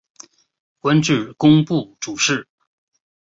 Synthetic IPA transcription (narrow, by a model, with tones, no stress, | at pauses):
kwa˥nʈ͡ʂɻ̩˥˩kʊ˥ŋpu˥˩ʈ͡ʂu˨˩ʂɻ̩˥˩